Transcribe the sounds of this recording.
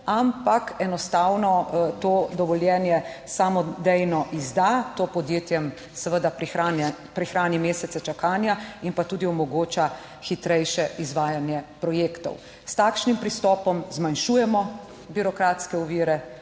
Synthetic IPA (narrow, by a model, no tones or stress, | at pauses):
ampakɛnɔst̪aːwnɔt̪oːd̪ɔʋɔljɛːnjɛsaːmɔd̪ɛjnɔʔizd̪at̪oːpɔd̪jeːt̪jɛm | sɛʋəd̪apɾixan | pɾixɾaːnimeːsɛt̪sɛt͡ʃakaːnjainpat̪uːd̪iɔmɔɡoːt͡ʃa | xit̪ɾɛjʃɛʔizʋaːjanjɛpɾɔjeːkt̪ɔ̰w | st̪aːkʃnimpɾist̪ɔːpɔmzmanʃuːjɛmɔ | biɾɔkɾaːt̪skɛɔʋiːɾɛ